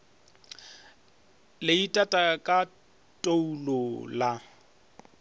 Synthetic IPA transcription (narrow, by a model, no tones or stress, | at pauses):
lɪitʼatʼakʼa | tʼoulola